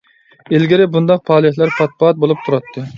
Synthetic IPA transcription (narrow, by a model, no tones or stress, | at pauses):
elɡʲiɾɪbund̪ɑq̚pʰɑːlˠɪhlæɾpʰɑt̪̚bɑɑt̪̚bolˠup̚t̪ʰuɾɑt̪ʰːɨ